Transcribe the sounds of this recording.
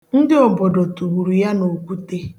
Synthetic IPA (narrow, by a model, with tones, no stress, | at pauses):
n̩˦dɪ˦ɔ˨bɔ˨dɔ˨tu˨wu˨ɾu˨ja˦no˨kʷu˦te˦